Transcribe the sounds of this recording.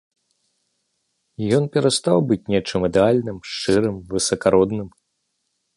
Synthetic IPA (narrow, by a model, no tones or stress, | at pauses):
jɔnpʲɛɾast̪awbɨt͡sʲnʲɛt͡ʂɨmid̪ɛalʲnɨmʂt͡ʂɨɾɨmvɨsɐkaɾɔd̪nɨm